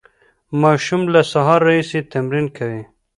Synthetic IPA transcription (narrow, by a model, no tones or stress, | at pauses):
mɑʃumlasaɦɑɾːaiset̪amɾinkʰawi